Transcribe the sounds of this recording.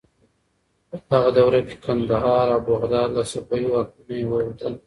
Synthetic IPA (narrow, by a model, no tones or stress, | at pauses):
əhaɣad̪awɾake̥kʰand̪aɦɑɾawbaɣd̪ɑːɾlasapajiwak̚unaewəwad̪əl